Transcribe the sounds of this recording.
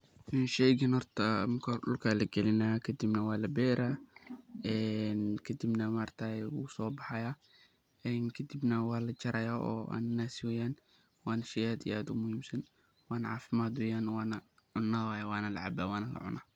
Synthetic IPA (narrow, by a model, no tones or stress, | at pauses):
ʔɛnʃɛjɡɐnhɔrt̪ʰɐmɐkʰɐɖʊlkʰaːlɐɡɛlɪnaːkʰɐd̪ibnɐwɑːlɐbɛːɾaː | ɛːnkʰɐd̪ibnɐmaːrt̪ʰawusɔːbɑħɑjaː | ɛːnkʰɐd̪ibnɐwɑːlɐt͡ʃɐɾɐjaːʔɔ̰ːa̰ːnnaːsɪwɛjaːn | wɑːnɐʃɛjaːd̪ḭaːd̪ʊmʊhiːmsɐn | wɑːnɐʕɑ̰ːfɪmaːd̪wɛːjaːnwɑːnɐ | ʕʊnːaːwaːjɐwɑːnɐlɐ̰ʕɑbaːwɑːnɐlɐ̰ʕʊ̰nʔa̰ː